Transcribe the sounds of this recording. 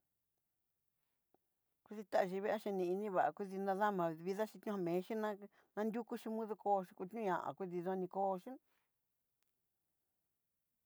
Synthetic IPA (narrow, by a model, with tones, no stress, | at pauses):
kʷu˧ði˧t̪a˦a˧ʒi˧βe˦ʔa˦ʃe˧nĩ˧i˧nĩ˧βa˨a˧kʷi˦˧ði˧nã˧ða˦mã˨˧βi˧ða˦ʃĩ˧t̪ɲũ˧ha˧mẽː˨˦ʃi˦nã˦ | nã˧nd̪ʲu˦ku˦ʃi˧mũ˦ðu˧kʰo˧ʃi˧kʷu˧t̪ɲũ˦ɲã̰˨ʔã̰˨kʷi˧ði˧ðõ˧nĩ˧koː˦˧ʃi˦